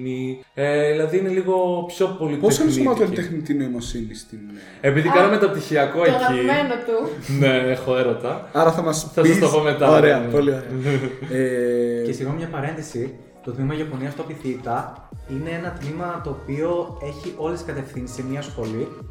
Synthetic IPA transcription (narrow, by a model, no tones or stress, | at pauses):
ni | eðilɐðiine̞liɣo̞pço̞po̞liposɐnsomɐt̪olit̪exnit̪ineimosinist̪im | epiðikɐnɐmet̪op̚t̪içiɐko̞ekimenot̪une̞exoe̞ɾo̞t̪ɐɐɾɐθɐmɐsθɐsɐst̪opomet̪ɐoɾeɐpolioɾeece̞siɣomɲɐpɐɾe̞nðisi | t̪ot̪mimɐʝɐpo̞niɐst̪oɐpiθit̪ɐ | ine̞enɐt̪mimɐt̪o̞ːpio̞e̞çiʔo̞leskɐt̪e̞fθinsemiɐsxo̞li